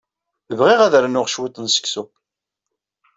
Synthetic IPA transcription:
əvʁiʁæðɾanʊʁʃwit̪ˤənsə̥ksu

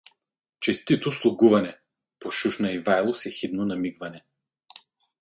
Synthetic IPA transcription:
t͡ʃɛst̪it̪oslˠʊɡuvɐnɛ | poʃuʃnɐivajlˠosɛxit̪nonɐmiɡvɐnɛ

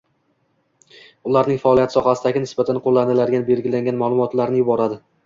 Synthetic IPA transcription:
ʊlaɾnɪŋfaɒlˠijat̪sɒhasɪd̪aɡʲɪnɪsbat̪ʰanqʰolːanɪlaɾɡʲanbe̞lɡʲɪlaŋɡʲanmalˠʊmɒt̪laɾnɪjʊbɒɾad̪ɪ

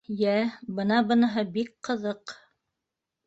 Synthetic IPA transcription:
jæbɤ̆nɑbɤ̆nɤ̆ɦɤbikqɤ̆ðɤq

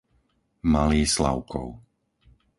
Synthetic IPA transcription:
maliːsla̰ʊkʰɔ̰ʊ

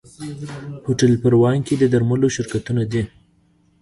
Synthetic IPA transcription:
hoʈalpəɾwɑŋked̪əd̪aɾmaloʃɪɾkat̪unad̪i

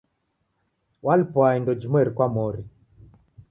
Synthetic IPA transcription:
walipɔaindɔd͡ʒimwɛɾikwamɔɾi

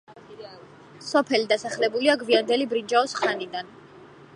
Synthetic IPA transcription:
sɔpʰɛlid̪asaχlɛbuliaɡviand̪ɛlibɾind͡ʒaɔsχanid̪an

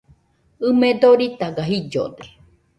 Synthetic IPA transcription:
ɨmed̪oɾit̪aɡaɦid͡ʒo̰d̪e̥

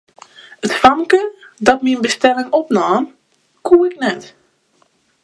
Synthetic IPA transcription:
ətfɑŋkədɑtminbəstɛlɪŋɔpnaːn | kuːɪknɛt

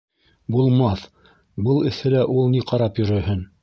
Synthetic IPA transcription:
bulˠmɑθ | bɤlˠɘ̆θɘlæʔulˠniqɑɾɑpjɵ̆ɾɵ̆hɘn

